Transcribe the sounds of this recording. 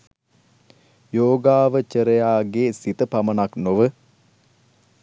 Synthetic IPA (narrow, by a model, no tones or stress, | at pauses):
joːɡaːʋət͡ʃəɾəjaːɡesit̪əpamənaknoʋə